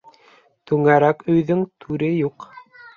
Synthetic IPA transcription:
t̪ʉŋæɾækɵ̆jðɵŋt̪ʰʉɾɘjuq

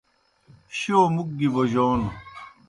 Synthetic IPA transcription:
ɕioːmuk̚ɡiboʑoːn

